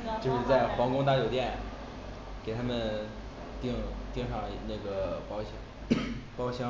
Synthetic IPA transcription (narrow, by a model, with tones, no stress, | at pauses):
t͡ɕjo˥˧ʂɻ̩˥˧t͡sa˥˩ɪxwɑ˧˥ŋkʊ˥ŋt̪a˥˩jo˨˩ʊt̪jɛ˥˩n | ke˨˩ɪt̪ʰa˥mə˨n | t̪i˥˧ŋt̪ji˥˧ŋʂɑ˥˧ŋna˥˩ɡə˩pɑ˥ʊɕɑ˥ŋ | pɑ˥ʊɕjɑ˥